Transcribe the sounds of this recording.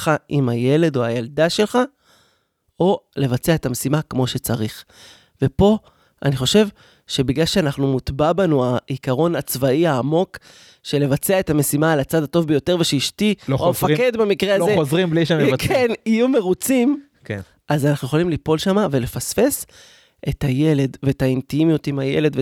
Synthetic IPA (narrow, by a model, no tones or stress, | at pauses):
χaʔimaje̞le̞d̪o̞ajald̪aʃe̞lχa | o̞le̞vat͡seaet̪ame̞simakmo̞ʃe̞t͡saʁiχ | ve̞po̞ | ʔa̰niχo̞ʃe̞v | ʃe̞biɡlalʃeanaχnumut̪babanuaikaʁo̞nat͡svaiaːmo̞k | ʃe̞le̞vat͡seae̞tame̞simaːlat͡sad̪ato̞vbejote̞ʁveʃeiʃtiloomeffakke̞d̪bemikʁealzeozʁimbliʃnkʰenijume̞ʁut͡sim | ken | azanaχnueolimlipo̞lʃamave̞le̞fasfe̞s | ʔe̞taje̞le̞dveetaintimijutimaje̞̰le̞d̪ve